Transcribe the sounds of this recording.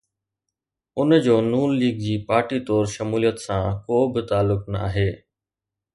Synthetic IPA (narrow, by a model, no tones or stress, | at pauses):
ʊnd͡ʑoːnuːnliːɡ̚d͡ʑiːpaːɾʈit̪ɔːɾʃɐmuːlijət̪sãkoːbɪt̪aːlːʊknɐa̰ːɦeː